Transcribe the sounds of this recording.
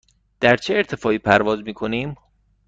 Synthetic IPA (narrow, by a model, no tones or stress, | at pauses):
d̪̥æɾt͡ʃʰeːɾt̪ʰe̞fɒːʔiːpʰæɾvɒːzmiːkʰo̞niːm